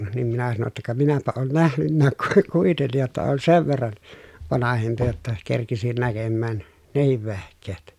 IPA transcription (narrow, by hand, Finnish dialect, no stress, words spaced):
nim minæ sɑno tːɑ kɑ minæpæ oːn næhnynːæːk ku kuitenːij jotːɑ oːn seʋ ʋerːɑn ʋɑnɑhempi jotːɑ kerkisin nækemːæːn nehiʋ ʋehkˑeːt